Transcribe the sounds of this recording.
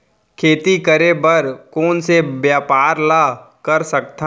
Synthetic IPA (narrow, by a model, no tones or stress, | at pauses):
kʰeːt̪ikəɾebəɾkoːnsebjaːpaːɾla | kəɾsək̚t̪a